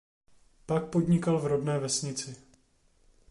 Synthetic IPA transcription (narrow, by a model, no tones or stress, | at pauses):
pak̚po̞dɲɪkalvɾodnɛːvɛsɲɪt͡sɪ